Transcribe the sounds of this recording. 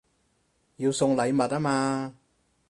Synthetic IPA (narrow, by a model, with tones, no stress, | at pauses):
jiː˧wsʊ˧ŋlɐ˨˧jmɐ˨t̚aː˥maː˧